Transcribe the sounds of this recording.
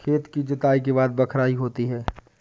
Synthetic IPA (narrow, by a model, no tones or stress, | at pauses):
kʰeːt̪kid͡ʒɪt̪aːik̬eβaːd̪bɐkʰɾaːiɦoːt̪iɦɛː